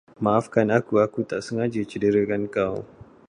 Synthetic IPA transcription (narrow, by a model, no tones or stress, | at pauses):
maʔafkanakuakut̪aʔsəŋad͡ʒət͡ʃədəɾəkankaw